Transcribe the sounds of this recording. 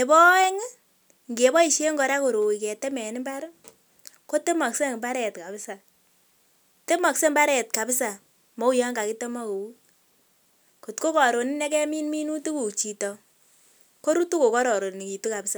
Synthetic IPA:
ne˨bɔ˦ɛ˦ŋ˦ | ŋɡe˨bɔ˦i˨ʃe˦ŋɡɔ˨ɾa˦ko˨ɾo˨i˨kɛ˨te˦mɛ˨ni˦mba˦ɾ | ko˦te˦mɔ˨kse˦˨mba˦ɾɛ˨tka˨pɪ˦sa˨ | te˦mɔ˨kse˦mba˦ɾɛ˨t̚ka˨pɪ˦sa˨ | mɔ˦u˦jɔ˦ŋɡa˨ki˦te˦mɔ˦ko˨˦ | ko˨tko˦kɔ˨ɾo˨ni˦nɛ˦kɛ˦mi˦nmi˦nu˦tu˦ku˨t͡ʃi˨tɔ˨ | ko˦ɾu˦tu˦ko˨kɔ˦ɾɔ˨ɾo˨n˨ni˨ki˨tu˦ka˨pɪ˦sa˨

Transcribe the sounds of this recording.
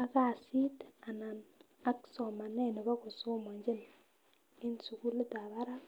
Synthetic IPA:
a˦ka˦˨si˦ta˨na˨n | a˦kso˨ma˨ne˦˨nɪ˨βa˦ko˨so˦mo˨ɲd͡ʒi˦n | ɪ˦nsu˨ku˦lu˦da˨βa˦ɾa˦

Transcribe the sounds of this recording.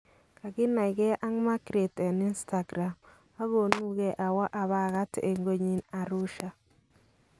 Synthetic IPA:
ka˨ɡɪ˦na˨ɪ˨ɡɛ˦ʔa˦ŋma˦kɾe˨tɛ˨nɪ˦nsta˨ɡɾa˨m | a˦ɣo˨nu˦ɣɛ˦ʔa˨wa˦ʔa˨βa˦ɣa˦tʔe˨ŋɡo˦ɲi˦na˨ɾʊ˦ʃa˦

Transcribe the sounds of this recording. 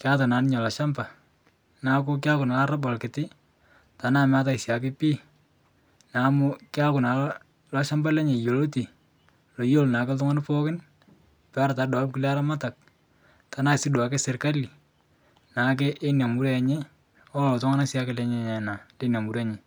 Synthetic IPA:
kɪ˦a˦ta˨na˨˦nɪ˦ɲɔ˨la˨ʃa˦mba˨ | na˨kʊ˦k̬ɪ˦a˦kʊ˨na˨la˦ɾa˦bɔ˨lkɪ˨tɪ˦ | ta˨na˦˨m˦a˦t̬a˦ɪ˨sja˨k̬ɪ˦piː˦ | na˨˦mʊ˦kɪ˦a˦kʊ˨na˨l | lɔ˦ʃa˦mba˦lɛ˦ɲe˨jo˨lo˦ti˨ | lo˨jo˦lna˨ke˦t̬ʊ˦ŋa˦npo˦kɪ˦n | pɛ˦a˦ɾa˨ta˨dɔ˨˦pkɪ˦le˦a˦ɾa˦ma˦ta˨k̚ | ta˨˦na˦˨sɪ˦dwa˨ke˦sɪ˨ɾka˦li˨ | na˨˦k̬e˦ʔːnja˨mu˦ɾe˦a˨ɲe˦ | ɔ˦ltʊ˦ŋa˦na˦sja˦kɪ˨le˨˦ɲe˨ɲe˨na˨le˦na˨mu˨ɾe˦ɲe˨

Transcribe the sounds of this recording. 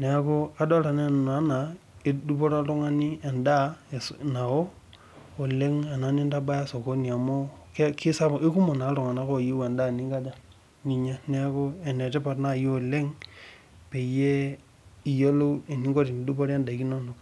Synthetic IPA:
ne˨˦ko˦a˨do˦ɾa˨ne˦nn˨a˨˦na˨e˦du˦po˦ɾa˦lu˦ŋa˦ni˦e˨nda˦e˨sna˨wo˦ | o˨le˦ŋa˨na˨˦ni˦nda˦ba˦ja˦so˨ko˦ni˨a˨mo˦kki˦sa˦be˦ku˦mo˨na˨˦ɾo˨ŋa˨na˦ko˦˨ji˦we˨nda˦˨ni˦ŋɡa˦d͡ʒa˦˨ | ŋi˨ɲa˦ne˦ko˦e˨ne˨te˦pa˨tna˦˨jo˨le˦ŋ | pe˨je˦ | i˨jo˦lo˦e˨ni˦ŋɡo˦ɾi˨ni˨du˦bo˦ɾe˦nda˨ki˦no˦no˨k

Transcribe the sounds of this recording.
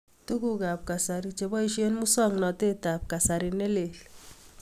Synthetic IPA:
tu˦ku˦ka˨p̚ka˨sa˨ɾit͡ʃe˨bɔ˦i˦ʃi˦e˦nmu˦sɔ˦ŋnɔ˨te˦ta˨p̚ka˨sa˨ɾine˦le˨l

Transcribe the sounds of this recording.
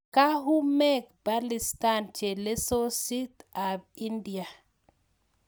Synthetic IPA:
ka˦ɦu˦mɛ˦kba˦li˨stant͡ʃe˨le˦so˦si˦t̪a˨bi˦ndi˨a˨

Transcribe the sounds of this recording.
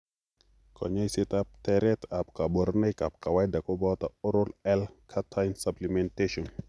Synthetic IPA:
kʰɔ̰˨ɲɔ˦jsɪ˦tap̚tɛɾɛta˨p̚ka˨bɔ˨ɾne˦jka˨p̚ka˨wa˦jda˨ko˦bɔtaɔ˦ɾɔlɛlkʰatʰajnsaplimɛnteʃɔ˨n

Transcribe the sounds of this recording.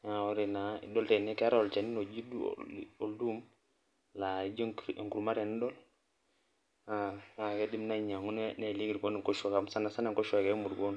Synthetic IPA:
a˨o˦ɾɛ˨naḭ˨dɔ˦ltɛ˨nɛ˦ka˦ɾa˦ɔ˨lt͡ʃa˨ni˦no˨d͡ʒi˦dṵo˨ldu˦m | la˨i˦d͡ʒɔ˦ɾŋku˨ɾuma˦ɾɛ˨ni˦dɔ˦l | ala˨kɛ˦di˦mna˦ɲa˨ŋu˦nne˨li˦ɡiɾkɔ˦ni˨ŋkɔ˦ʃɔ˨ka˨msa˦na˨sa˦na˨ŋkɔ˦ʃɔ˦˨ka˦mu˨ɾɡɔ˦n

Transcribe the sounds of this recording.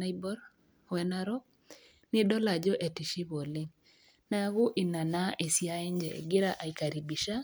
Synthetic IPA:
a˦jbɔ˦ɾ | wɛ˨na˦ɾɔ˦ | nɪ˦dɔ˦la˨d͡ʒɔ˦ʔe˨ti˨ʃi˦βo˨lɪ˦ŋ | na˦ɡʊ˦ʔɪ˨na˨na˦ʔe˨sja˦ɛ˦ɲd͡ʒɛ̰˨ɡɪ˦ɾa˦ʔa˨i˨ka˨ɾi˨bi˨ʃa˦

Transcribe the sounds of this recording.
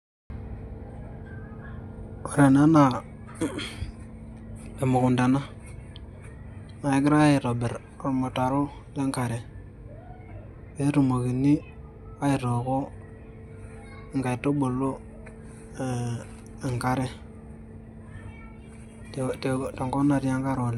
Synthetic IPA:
o˨ɾe˨na˦na˨ | e˨mu˨ku˨nda˨na˦ | ma˨i˨˦ɡɾa˦ji˨ɾo˨be˨ɾ | o˨mo˨ta˨ɾo˦ | de˦ŋka˨ɾe˨ | be˦ɾu˨mo˨ki˨nːi˦ | a˦i˨to˨ko˦˨ | ŋɡa˨i˨tːo˦ɓo˨lo˦˨ | ŋka˦ɾe˦˨ | te˨to˨ŋɡo˦na˨ɾi˦ja˦ŋka˦ɾo˨l

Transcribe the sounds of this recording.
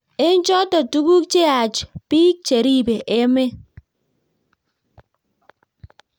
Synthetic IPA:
e˦n˦d͡ʒɔ˦tɔ˨tu˦bu˦k̚t͡ʃe˦a˨t͡ʃpi˦k̚t͡ʃe˨ɾi˦˨be˨ʔe˦me˦

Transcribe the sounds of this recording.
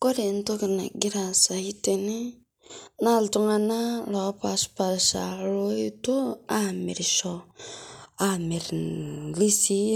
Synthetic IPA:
ko˦ɾe˨n˦to˦ki˨na̰˨ɡi˦ɾa˨sa˨hi˦te˨ne˦ | na˦˨ltu˦ŋa˦na˦lo˨˦pa˨spa˨ɾʃa̰˨ɾo˦e˦to˦a˦˨mi˨ɾʃɔ˦ | a˨mi˨ɾli˦si˦

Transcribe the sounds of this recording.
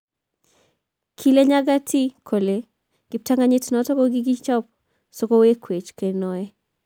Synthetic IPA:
kʰi˦le˦ɲa˦ɡa˦tʰi˦kʰo˨le˨ | ɡ̥ɪ˨p̚ta˦ŋa˦ɲɪ˦tnɔ˨tɔ˦kɔ˦ɡiɡi˦t͡ʃɔ˦p̚ | soko˦we˦kwe˨t͡ʃke˨nɔ˨ɛ˦

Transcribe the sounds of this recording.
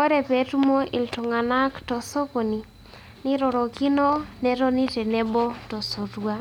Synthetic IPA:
o˦ɾɛ˨pɛ˨˦tu˦mo˦ʔɪ˨lto˨ŋa˨na˦ktɔ˨so˦ko˨ni˨ | nɪ˦ɾɔ˨ɾɔ˨ki˦nɔ˦nɛ˦ɾo˦ni˦tɛ˨nɛ˦bo˦tɔ˨so˨twa˦

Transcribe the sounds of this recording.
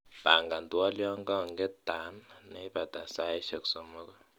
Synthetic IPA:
b̥a˨ŋɡa˨ntu˦a˦lɔ˦ŋɡɔ˦˨ŋɡɛ˦ta˨˦nne˦i˦ba˨da˨sa˦i˦ʃe˨kso˨mə˦kɔ˦

